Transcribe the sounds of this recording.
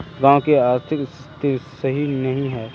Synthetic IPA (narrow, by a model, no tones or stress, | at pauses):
ɡãːkeaːɾt̪ʰɪkst̪ɪsɐɦinɐɦĩɦɛː